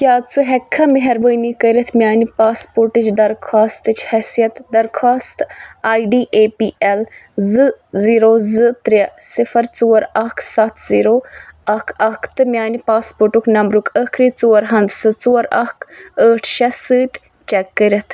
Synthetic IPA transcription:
kjaːt͡sɨɦɛkʰːɐmeɦɐɾbəːnikəɾʲɐt̪ʰmʲjaːnipaːspoːɾʈɨt͡ʃd̪ɐɾkʰaːst̪ɨt͡ʃʰhɛsijɐt̪d̪ɐɾkʰaːst̪aːjɖiːʔeːpiːʔɛlzɨziːɾoːzɨt̪ɾʲɐsifɐɾt͡suːɐɾɐkʰsɐt̪ʰz̥iːɾoːɐkʰɐkʰt̪ɨmʲjaːnipaːspoʈuknɐmbɾukʰəkʰɾiːt͡suːɐɾɦɐnd̪sɨt͡suːɐɾɐ̰kʰəːʈʰʃɐsɨːt̪ | t͡ʃɛkːəɾʲɐt̪ʰ

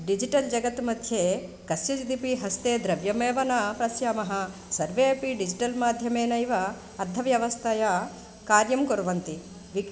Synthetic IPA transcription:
ɖid͡ʒiʈɐld͡ʒɐɡɐt̪mɐd̪ʱjeːkɐst͡ʃɐd͡ʒid̪ipiɦɐst̪eːd̪ɾɐʋjɐmeːʋɐnɐpɾɐsjaːmɐɦɐ̆ | sɐɾʋepiɖid͡ʒiʈɐlmaːd̪ʱjɐmeːnɐjiʋɐ | ɐɾd̪ʱːɐʋjɐʋɐst̪ʰɐjɐ | kaːɾjɐmkoɾʋɐnt̪i | ʋi

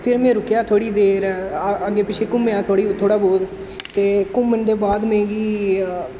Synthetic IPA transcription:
pʰɪɾmẽːɾʊkjaːt̪ʰoːɽiːd̪eːɾəɡːeːpɪt͡ʃʰeːkʊmːejaːt̪ʰoːɽiːt̪ʰoːɽaːboːd̪ | t̪eːkʊmːənd̪eːbaːd̪mẽːɡiː

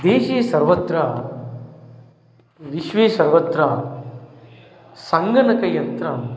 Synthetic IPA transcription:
d̪eːʃeːsɐɾʋɐt̪ɾɐ | ʋiʃʋeːsɐɾʋɐt̪ɾɐ | sɐŋɡɐnɐkɐjɐnt̪ɾɐm

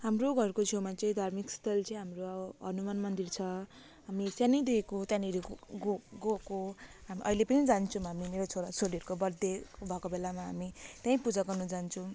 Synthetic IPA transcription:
ɦamroɡʱʌrkot͡sʰowmat͡sʌĩd̪ʱarmikst̪ʰʌlt͡sʌĩɦamroɦʌnumanmʌnd̪irt͡sʰʌ | ɦamit̪jãnid̪iekot̪jãniɾiɡoɡokoɦamiʔʌ̰ilepʌnid͡zant͡sʰʌ̃ɦamimeɾot͡sʰoɾasoliʌɾukobʌrd̪ebʱʌkobelamaɦamit̪jãĩpud͡zaɡʌrnud͡zant͡sʰʌ̃

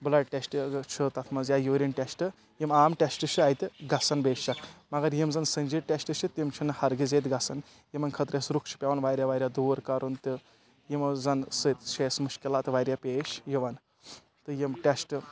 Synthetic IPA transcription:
blɐɖʈʲesʈt͡ʃʰɨt̪ɐt̪ʰmɐzjaːjuːɾʲinʈʲesʈɨ | jimaːmʈʲesʈɨt͡ʃʰɨajt̪ʲɨɡɐsɐnbeːst͡ʃɐkmɐɡɐɾjimzɐnsənʲd͡ʒiʈʲesʈɨt͡ʃʰit̪ʲimt͡ʃʰunɨhɐɾɡizet̪̬ɡɐsɐn | jimɐnkʰɐt̪ɾesɾukt͡ʃʰi̥pʲeʋɐnʋaɾʲjaʋaːɾʲjad̪uːɾkaɾunt̪ɨ | jimzɐnsɨt̪ʃʰeːsmuʃkilaːt̪ʋaːjɾʲjapʲeːʃjiʋɐn | t̪ɨjimʈʲesʈɨ

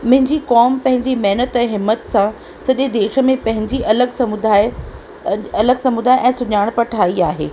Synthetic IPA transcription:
mɐ̃ɦɪ̃ɲd͡ʑikɔːmpɐ̃ɦɪ̃ɲd͡ʑimɐɦɪnət̪ɛ̃ːɦɪmːət̪sã | sɐʄed̪eːʃə̆mẽpɐ̃ɦɪ̃ɲd͡ʑiʔɐləɡsɐmʊd̪aːɪ | ɐləɡsɐmʊd̪aːɪʔɛ̃ːsʊɲaːɽ̃pɐʈʰaːiaːɦḛː

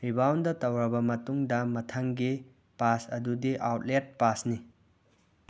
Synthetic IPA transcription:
ɾibawndɐtɐwɾɐbɐmɐtuŋdɐmɐtʰɐŋɡi | pasɐdudiʔawt̚let̚pasni

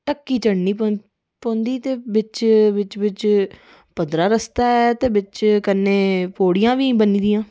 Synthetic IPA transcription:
ʈəkːiːt͡ʃəɽniːpː | põːnd̪iːt̪eːbɪt͡ʃʋɪt͡ʃʋɪt͡ʃ | pəd̪ɾaːɾəst̪aːɛːt̪eːbɪt͡ʃkənːeːpoːɽɪjãːʋiːbəniːd̪iːãː

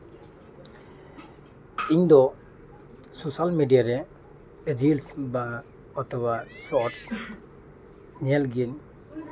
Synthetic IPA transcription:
iɲd̪ɔ | sosalmedijaɾɛ | ɾilsba | ɔt̪ʰɔbasɔɾs | ɲɛlɡin

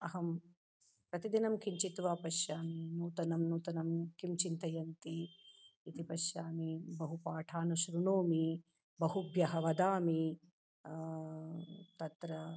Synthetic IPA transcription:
ɐɦɐm | pɾɐt̪id̪inɐmkiɲt͡ʃit̪ʋaːpɐʃjaːminuːt̪ɐnɐmnuːt̪ɐnɐmkimt͡ʃint̪ɐjɐnt̪iː | t̪ipɐʃjaːmibɐɦupaːʈʰaːnuʃɾunoːmi | bɐɦubjɐɦɐʋɐd̪aːmi | t̪ɐt̪ɾɐ

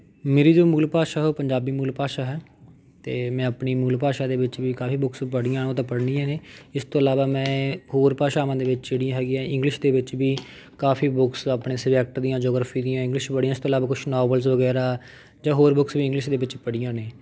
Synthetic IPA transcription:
meːɾiːd͡ʒoːmuːlpaːʃaːɦɛoːpəɲd͡ʒaːbiːmuːlpaːʃaːɦɛː | t̪eːmɛ̃ːəpniːmuːlpaːʃaːd̪eːʋɪt͡ʃbiːkaːfiːbʊkspəɽijãːõːt̪̬ãːpəɽnĩːãːnẽːɪst̪õːəlaːʋaːmɛ̃ːhoːɾpaːʃaːʋãːd̪eːʋɪt͡ʃt͡ʃɪɽijãːɦɛːɡɪjãːɪ̃ŋɡlɪʃd̪eːʋɪt͡ʃbiː | kaːfʰiːbʊksapɳeːsɪbɛːk̚ʈd̪ijãːd͡ʒoːɡɾaːfiːd̪ijãːɪ̃ŋɡlɪʃpəɽiːãɪst̪oːlaːʋaːkʊt͡ʃʰnɔːbəlzʋəɡɛːɾaː | d͡ʒãːɦoːɾbʊksbiːɪ̃ŋɡlɪʃd̪eːʋɪt͡ʃpəɽɪjãːneː

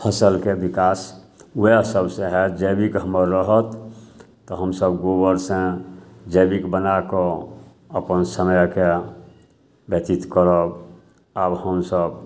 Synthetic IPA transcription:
pʰəsəlkebikas | uesəbsẽɦɛd͡ʒəbikɦəməɾːəɦət̪ː | ɔɦəmsəbɡobəɾsẽd͡ʒəbikbənakɔ | əpənsəməjke | bjət̪it̪kəɾəb | abhəmsəb

